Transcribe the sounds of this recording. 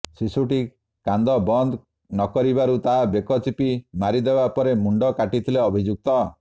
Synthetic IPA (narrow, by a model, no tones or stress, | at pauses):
sisuʈi | kand̪ɔbɔnd̪ | nɔkɔɾibaɾut̪aɦabekɔt͡ʃipimaɾid̪ebapɔɾemuɳɖɔkaʈit̪ʰileɔbʱid͡ʒuk̚t̪ɔ